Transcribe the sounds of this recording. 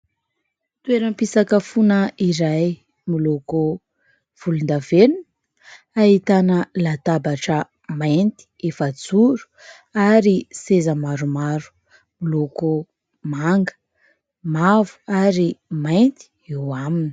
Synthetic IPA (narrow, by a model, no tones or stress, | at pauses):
t̪ueɾəmpisakəfunəiɾaj | miloko | v̥ulund̪avenun | aɦit̪anəlat̪abaʈ͡ʂə | majnt̪i̥efəd͡zuɾu̥ | aɾisezəmaɾumaɾu̥ | miloko | maŋɡə̥ | mavu̥aɾimajnt̪i̥ | ewamini̥